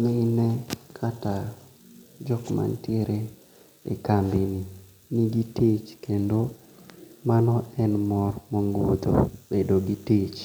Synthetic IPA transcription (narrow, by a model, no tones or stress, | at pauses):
menɛkʰata | d͡ʒɔkma̰nteɾe | ḛkambini | niɡitet͡ʃkendo | manɔʔɛnmɔrmɔŋɡo̰d̪o̰bedoɡitet͡ʃ